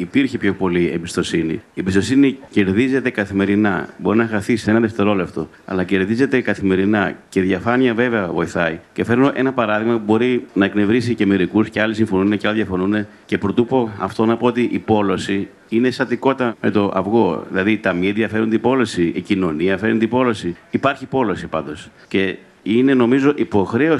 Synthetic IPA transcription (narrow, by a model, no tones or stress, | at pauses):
ipiɾçepçopo̞liḛmbist̪o̞sinḭiembist̪o̞sinice̞ɾðize̞t̪e̞kɐθime̞ɾinɐ̰bo̞ɾinɐxɐθisenɐðe̞ft̪e̞ɾo̞left̪o̞̰ | ɐ̰lɐce̞ɾðize̞t̪e̞kɐθime̞ɾinɐce̞ðʝɐfɐniɐve̞ve̞ɐvo̞iθɐicefe̞ɾnoʔe̞nɐpɐɾɐðiɣmɐpubo̞ɾinɐekne̞vɾis̬iceme̞ɾikusceɐlisiɱfo̞nuneceɐlɐðjɐfo̞nune̞ | ce̞pɾo̞t̪upo̞ɐft̪o̞nɐpo̞ot̪iʔipo̞lo̞si | ine̞st̪ɐt̪iko̞t̪ɐme̞t̪o̞ʔɐ̰vɣo̞ðḭlɐðit̪ɐmienðiɐfe̞ɾund̪ipo̞lo̞siicino̞niɐfe̞ɾunt̪ipo̞lo̞siːpɐɾçipo̞lo̞sipɐnd̪o̞sce̞ | ine̞no̞mizo̞ʔipo̞xɾe̞o